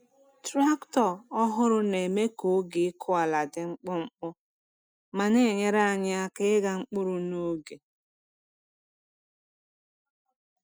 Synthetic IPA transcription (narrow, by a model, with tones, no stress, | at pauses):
tɾa˦ktɔ˨ɔ˦ɦʊ˦ɾʊ˦ne˨me˦ko˨˦ɡɪ˨˦kʰʊ˦a˨la˨dɪ˨ŋ͡m̩˦k͡pɔ˦ŋ͡m̩˦k͡pʊ˦ | ma˨ne˦˨ɲe˦ɾa˦a˨ɲɪ˦a˦kɪ˦ɪ˦ɡa˨ŋ͡m̩˦k͡pʊ˦ɾʊ˨no˦ɡe˨